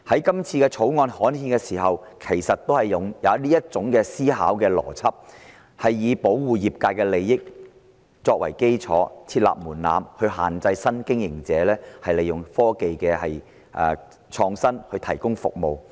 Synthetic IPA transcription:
hɐ˨˥jkɐ˥mt͡sʰiː˧kɛː˧t͡sʰo˨˥wŋɔː˧nhɔː˨˥nhiː˧nkɛː˧siː˨˩ɦɐ˨wkʰe˨˩jsɐ˨t̚t̪ːo˥whɐ˨jːʊ˨ŋjɐ˨˧wliː˥jɐ˥t̚t͡sʊ˨˥ŋkɛː˧siː˥ɦa̰ː˨˥wkɛː˧lɔ̰ː˨˩t͡sʰɐ˥p̚ | hɐ˨jːiː˨˧po˨˥wwuː˨jiː˨p̚kaː˧tkɛː˧le˨jːɪ˥k̚ | t͡sɔː˧k̚wɐ̰˨˩jke˥jt͡sʰɔː˨˥t͡sʰiː˧t̚la̰ː˨p̚muː˨˩nla̰ː˨mhɵ˧ɥɦa̰ː˨nt͡sɐ˧jsɐ˥nkɪ˥ŋjɪ˨˩ŋt͡sɛː˨˧lɛː˥hɐ˨jle˨jʊ˨ŋfɔː˥ke˨jkɛː˧hɐ˨j | ʔɛ̰ː˨˧ | t͡ʃʰɔː˧ŋsɐ˥nhɵ˧ɥt̪ʰɐ˨˩jkʊ˥ŋfʊ̰˨k̚mo˨w

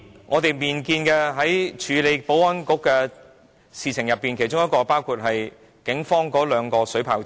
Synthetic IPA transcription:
ŋʔɔː˨˧t̪e˨jmiː˨˩nkiː˧nkɛ˧ɦɐ˨˥jt͡ʃʰyː˨˥le˨˧jpo˨˥wwɐ˥nkʊ˨˥kːɛː˧ | siː˨˧t͡sʰɪ˨˩ŋjɐ˨pːi˨nkʰe˨˩t͡ʃʊ˥ŋjɐ˥kɔː˧paː˥wkʰuː˧t̚ɦɐ˨j | kɪ˨˥ŋfɔː˥ŋkɔː˨˥lœː˨˧ŋkɔː˧sɵ˨˥ɥpʰaː˨˥˩w

